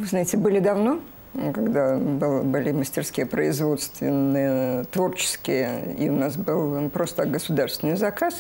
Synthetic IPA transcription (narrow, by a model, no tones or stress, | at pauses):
vɨznajɪtʲɪbɨlʲɪd̪ɐvno̞ | kaɡd̪abɨlˠbɨlʲɪməsʲtʲɪrskʲijəpɾəɪzvo̞t̪st̪vʲɪnːɨjət̪vo̞rt͡ɕɪ̥skʲɪjəḭʊnasbɨlˠpɾo̞st̪əɡəsʊd̪arst̪ʲɪnːɨjzɐkas